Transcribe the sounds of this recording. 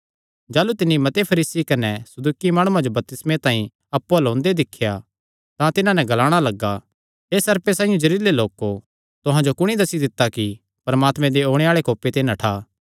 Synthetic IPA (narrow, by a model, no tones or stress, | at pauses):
d͡ʒaːlut̪ɪnːimɐt̪epʰɐɾiːsikɐnɛsɐd̪uːkimaːɽ̃ũãd͡ʒobɐp̚t̪ɪsmẽt̪ãːĩ | ɐpːualõːnd̪ed̪ɪkʰːja | t̪ãt̪ɪnãnɛɡɐlaːɽ̃alɐɡːa | eːsɐɾpesaːijõd͡ʒɐɾiːleloːko | t̪ʊɦãd͡ʒokʊɽ̃id̪ɐsid̪ɪt̪ːaki | pɐɾɐmaːt̪mɛ̃d̪eoːɽ̃eaːɭekoːpet̪eːnãʈʰaː